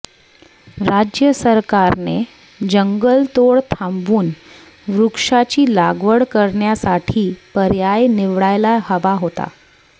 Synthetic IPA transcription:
ɾad͡ʑjəsəɾkaɾne | d͡ʑəŋɡəlt̪oɭt̪ʰãmbuːn | ɾukʂat͡ɕiːlaɡʋəɽkəɾɳjasaʈʰiːpəɾjajniʋɽajlaɦəʋaɦot̪a̰

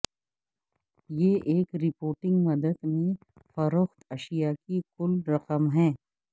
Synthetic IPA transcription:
jeːʔeːkɾɪpoːɾʈɪ̃ŋɡmɐd̪əd̪mẽ | fɐɾoxt̪ɐʃijakikʊlɾɐqəmɦɛ̃ː

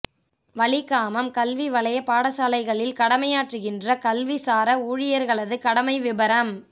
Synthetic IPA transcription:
ʋɐɭɪkaːmɐmkɐlʋiʋɐɭɐjɐpaːɽɐsaːlɐɪɣɐɭɪlkɐɽɐmɐjaːʈrɯɣɪndrɐkɐlʋisaːɾɐuːɻɪjɐɾɣɐɭɐðɯkɐɽɐmɐɪʋɪbɐɾɐm

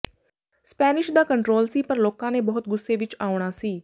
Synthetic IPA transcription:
spɛːnɪʃd̪aːkəɳʈɾoːlsiːpəɾloːkãːneːbɔːʊt̪̚ɡʊsːeːʋɪt͡ʃaːʊɽ̃aːsiː

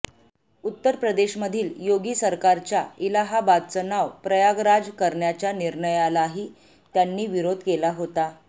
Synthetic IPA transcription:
ut̪ːəɾpɾəd̪eɕməd̪ʱiːljoɡiːsəɾkaɾt͡ɕjailaɦabad̪̚t͡sənaʋpɾəjaɡɾad͡zkəɾɳjat͡ɕjaniɾɳəjalaɦiː | t̪janːiːʋiɾod̪ʱkelaɦot̪a

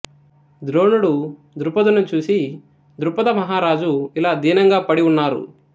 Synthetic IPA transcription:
d̪ɾoːnuɽu | d̪ɾupɐd̪unut͡ʃuːsi | d̪ɾupɐd̪ɐmɐɦaːɾaːd͡ʒuilaːd̪iːnɐŋɡaːpɐɽiunːaːɾṵ

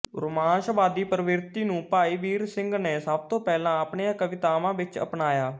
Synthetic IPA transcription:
ɾʊmãːnʃbaːd̪iːpɾəʋɪɾt̪iːnũːpaːiːʋiːɾsɪ̃ŋɡneːsəb̚t̪õːpɛːlãːəpɳejãːkəʋɪt̪aːmãːʋɪt͡ʃə̰pnaːjaː

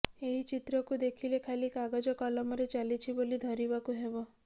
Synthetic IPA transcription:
eɦit͡ʃit̪ɾɔkud̪ekʰilekʰajlikaɡad͡ʒɔkɔlɔmɔɾet͡ʃalit͡ʃʰibolid̪ʱɔɾibakuɦebɔ

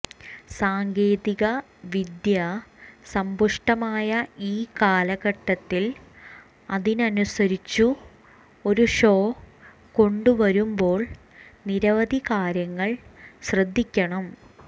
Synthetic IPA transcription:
saːŋɡeːðiɣɐ | ʋid̪jɐsɐmbuʂʈɐmaːjɐiːkaːlɐɣɐʈːɐt̪ːil | ɐðinɐnusɐɾit͡ɕːu | o̞ɾuʂo̞ː | ko̞ɳɖuʋɐɾumbo̞ːɭ | niɾɐʋɐd̪ikaːɾjɐŋːɐɭɕrɐd̪ʱːikʲːɐɳɐm

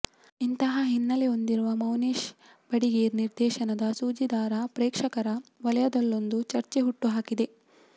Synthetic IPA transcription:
int̪ɐɦɐɦinːɐleo̞nd̪iɾuʋɐmɐwneːʃ | b̥ɐɽiɡeːɾniɾd̪ɛːʃɐnɐd̪ɐsuːd͡ʒid̪aːɾɐpɾeːkʂɐkɐɾɐʋɐlɐjɐd̪ɐlːo̞nd̪ut͡ʃɐɾt͡ʃeɦuʈːuɦaːkid̪e̞

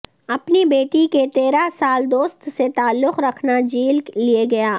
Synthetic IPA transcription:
ɐpnibeːʈiket̪eːɾasaːld̪oːst̪set̪aːlːʊqɾɐkʰnad͡ʒiːlklieɡɐjaː

